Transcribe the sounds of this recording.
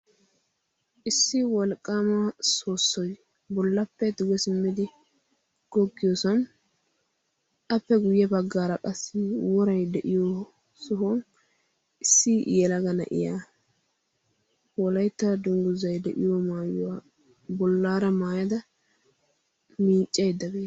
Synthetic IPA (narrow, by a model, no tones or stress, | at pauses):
ʔɪsːɪwɔlkʼːaːmaso̞ːsːɔj | bɔlːɐpːɛd̪ʊɡɛsɪmːɪd̪ɪ | ɡ̥ɔɡːɪjɔsɔn | ʔɐpːɛɡʊjːɛbɐɡːaːɾɐkʼɐsːɪwɔɾɐjd̪ɛʔɪjo | sɔɦɔn | ʔɪsːɪʔjɛlɐɡɐnɐ̰ʔɪ̰jaː | wɔlɐjt̪ːɐd̪ʊŋɡʊzɐjd̪ɛʔɪjɔmaːjʊwaː | bɔlːaːɾɐmaːjɐd̪ɐ | miːt͡ʃʼːɛjd̪ɐbeː